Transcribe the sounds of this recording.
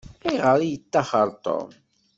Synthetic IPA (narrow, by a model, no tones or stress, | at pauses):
iʁəɾjət͡sːɑχəɾˤt̪ˤo̰m